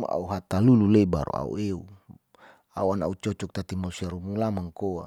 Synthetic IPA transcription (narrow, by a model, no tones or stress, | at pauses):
a̰a̰uɦat̪alululeba̰ɾṵa̰ṵeu | a̰uanaut͡ʃɔt͡ʃɔk̚t̪at̪imausiaɾumulamaŋkoa